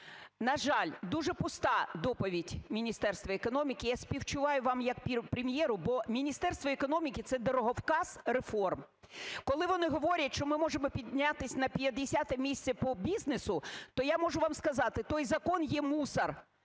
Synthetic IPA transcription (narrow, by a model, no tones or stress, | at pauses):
nɐʒɑlʲd̪uʒɛpʊst̪ɑd̪ɔpɔʋʲidʲmʲinʲist̪ɛrst̪ʋɐekɔnɔmʲikʲɪjasʲpʲiwt͡ʃʊʋɑjʊʋɑmjɐkpʲpɾʲemʲjɛɾʊbɔmʲinʲist̪ɛrst̪ʋɔekɔnɔmʲikʲɪt̪sɛd̪ɔɾɔɦɔwkɑzrefɔrm | kɔlˠɪʋɔnɪɦɔʋɔɾʲɐtʲʃt͡ʃɔmɪmɔʒemɔpʲid̪̚ʲnʲat̪ɪsʲnɐpʲjɐd̪esʲat̪ɛmʲisʲt͡sʲɛpɔbʲiznesʊt̪ɔjamɔʒʊʋɑmskɐzɑt̪ɪt̪ɔjzɐkɔnjɛmusɐr